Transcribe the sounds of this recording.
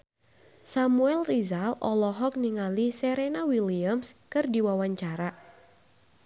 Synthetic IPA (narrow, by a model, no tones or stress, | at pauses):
samuɛlrizalɔ̰lɔɦɔk̚niŋaliseɾenawiliamskɨrdiwawaɲt͡ʃaɾa